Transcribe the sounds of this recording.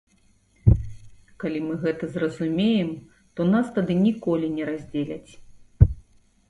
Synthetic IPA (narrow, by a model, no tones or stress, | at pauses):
kalʲimɨɣɛt̪ɐzrɐzumʲejɛm | t̪ɔnast̪ad̪ɨnʲikɔlʲinʲɛɾazʲd͡zʲelʲɐt͡sʲ